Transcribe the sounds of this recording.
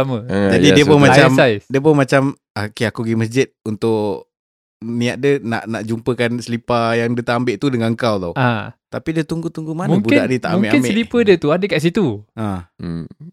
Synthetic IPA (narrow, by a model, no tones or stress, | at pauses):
amə̃d͡ʒadidiəpʊnmat͡ʃamajdiəp̬ʊnmat͡ʃam | akiakuɡiməs̬d͡ʒɪt̪̚unt̪ʊʔ | niaʔ̚dəna̰ʔnaʔd͡ʒumpəkansəlipajaŋdət̪aʔambɪʔt̪udəŋaəŋkawtawat̪apidət̪uŋɡut̪uŋɡumanmaŋbuɪaʔdit̪a̰ʔamuŋbɪʔkɪnmbesəʔlipədiət̪uadəkaʔs̬it̪ua